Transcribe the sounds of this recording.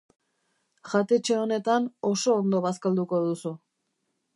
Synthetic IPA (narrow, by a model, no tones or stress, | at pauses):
ʝat̪e̞t͡ʃe̞o̞ne̞t̪ano̞so̞ːnd̪o̞βaskald̪uko̞ðusu